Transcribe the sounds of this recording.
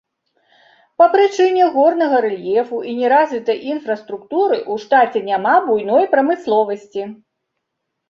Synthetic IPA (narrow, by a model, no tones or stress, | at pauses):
pɐpɾɨt͡ʂɨnʲɛɣɔrnɐɣɐɾɛlʲjɛfuʔinʲɛɾazʲvʲit̪ɐjʔinfɾɐst̪ɾukt̪uɾɨʔuʂt̪at͡sʲɛnʲamabujn̪ɔjpɾɐmɨslˠɔvɐsʲt͡sʲi